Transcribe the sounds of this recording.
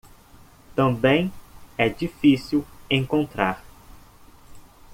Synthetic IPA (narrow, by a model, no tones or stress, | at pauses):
t̪ɐ̃bẽj̃ɛd͡ʒifisiwẽŋkõnt̪ɾaɾ